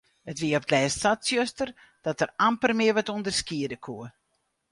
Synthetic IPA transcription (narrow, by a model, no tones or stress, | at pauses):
ətʋiəɔp̚tlɛːssatsjøstər | d̥ɔtərampərmɪiəʋɔtundərskiədəkʰuə